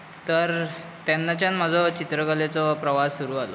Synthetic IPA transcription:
t̪əɾt̪janːat͡ɕjanm̤əd͡zʱɔt͡ɕit̪ɾəkəlet͡sɔpɾəʋasːuɾuːalɔ

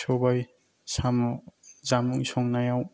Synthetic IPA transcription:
sɔbaj | samzamuŋisɔŋnajaw

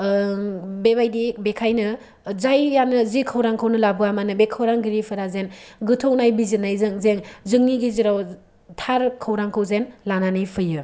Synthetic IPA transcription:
bebajdibekʰajnɯ | zajjanɯzikʰawɾaŋkʰawnɯlabɯamanɯbekʰawɾaŋɡiɾipʰɯɾazenɡɯtʰoknajbizɯnːajzɯŋzeŋzɯŋniɡiziɾaw | tʰaɾkʰɯwɾaŋkʰɯwzenlananɯjpʰɯjɯ

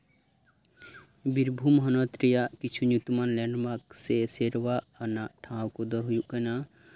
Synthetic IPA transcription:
biɾbʱumɦɔnɔt̪ɾijaʔkit͡ʃʰuɲukt̪manlɛɳɖmakseseɾwaʔanaʔʈʰãwkud̪ɔɦujuʔkana

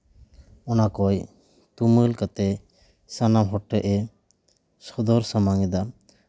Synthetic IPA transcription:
ɔnakɔj | t̪uməlkat̪ɛ | sanamɦɔʈːɛʔɛ | sɔd̪ɔɾsamaŋɛd̪a

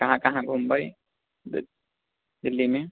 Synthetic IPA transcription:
kɐɦãkɐɦãɡʱumbəj | d̪ɪlːime

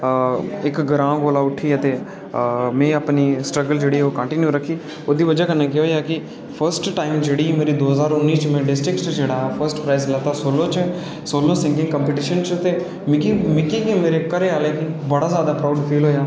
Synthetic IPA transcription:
ɪkɡəɾãːɡoːlaːʊʈʰiːət̪eː | mɛ̃ːəpniːsʈɾəɡəld͡ʒeːɽiːoːkə̃ɳʈɪnjuːɾəkʰːiː | oːd̪iːʋəd͡ʒaːkənːãːkeɦoːjaːkɪ | pʰəɾsʈʈaːɪmd͡ʒeːɽiːmeːɾiːd̪oːɦəzaːɾʊnːiːt͡ʃmɛ̃ːɖɪsʈɾɪkʈt͡ʃd͡ʒeːɽaːpʰəɾsʈpɾaːislət̪aːsoːlõːt͡ʃ | soːlõːsɪŋkɪ̃ŋɡkəmpeːʈiːʃənt͡ʃt̪eː | mɪkimɪkiːkeːmeːɾeːkəɾeːaːleːkibəɽaːzjaːd̪aːpɾaːɖpʰiːlɦoːjaː

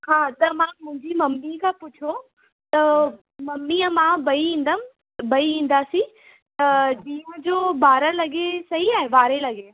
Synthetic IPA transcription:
haːt̪ɐmãːmʊ̃ɦɪ̃ɲd͡ʑimɐmːikʰãːpʊt͡ɕʰo | t̪ɐ | mɐmːiəmãbɐiĩːnd̪əm | bɐiĩːn̆d̪aːsĩ | t̪ɐɗiːʊ̃d͡ʑoːbaːɾəlɐɠesɐɦiaːɦeʋaːɾelɐɠe

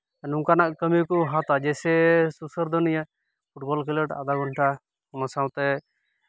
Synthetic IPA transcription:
anuŋkanaʔkəmikɔɦãt̪ad͡ʒɛsɛsusəɾd̪ɔnija | pʰuʈbɔlkiləʈa̰d̪aɡɔnʈʰa | ɔnasaw̃t̪ɛ

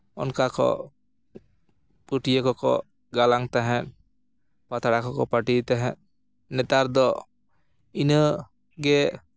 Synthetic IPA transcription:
ɔ̰nkakɔ̰ | puʈijəkɔkɔ̰ | ɡalaŋt̪aɦɛ̃t̪ | pat̪aɽakɔkɔpaʈit̪aɦɛ̃t̪̚ | nɛt̪aɾd̪ɔ | inə | ɡɛ

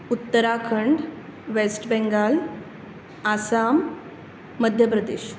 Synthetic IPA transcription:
ut̪ːəɾakʰəɳɖʋesʈbɛ̃ŋɡal | asamː | əd̪ʱjəp̬ɾəd̪eɕ

